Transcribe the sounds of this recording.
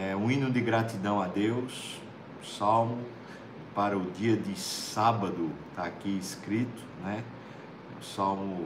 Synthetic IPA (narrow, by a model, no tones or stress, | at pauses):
ɛũĩnʊ̃d̪ɪɡɾat̪id̪ɐ̃w̃ad̪ews | sawmʊ | paɾɐʊd̪iɐd̪ɪsabɐd̪ʊt̪aːkiiskɾit̪ʊ̥nɛ | ʊ̰sawmʊ